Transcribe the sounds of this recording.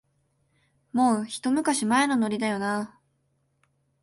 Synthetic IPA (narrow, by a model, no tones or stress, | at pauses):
mo̞ːçi̥t̪o̞mɯ̟kaɕimaeno̞no̞ɾʲid̪ajo̞na